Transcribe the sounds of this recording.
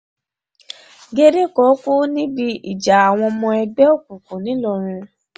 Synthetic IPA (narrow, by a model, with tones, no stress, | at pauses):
ɡe˧ɾe˦kɔ˨˦ko˦nĩ˦bi˧ḭ˨d͡ʒa˨a˨w̃ɔ̃˧mɔ̃˧ɛ˧ɡ͡bɛ˦o˦˨k̚u˨ku˨nĩ˨˦lɔ˧ɾ̃ĩ˧